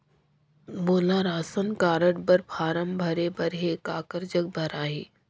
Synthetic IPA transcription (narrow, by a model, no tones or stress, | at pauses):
moːlaɾaːsənkaːɾəɽbəɾpʰaːɾəmbʱɐɾebɐɾɦekaːkəɾd͡ʒək̚bʱɐɾaːɦiː